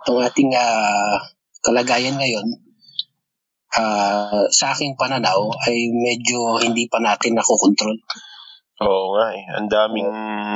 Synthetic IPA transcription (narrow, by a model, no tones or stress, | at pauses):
ʔɐŋʔaːt̪ɪŋaː | kɐlɐɡaːjɐnŋɐjo̞n | ʔaːsɐʔaːkɪŋpɐnɐnawɐjmɛːd͡ʒohɪnd̪iːpɐnaːt̪ɪnːɐkokont̪ɾol | ʔoːʔoŋaʔɛɐ̰nd̪aːmɪŋ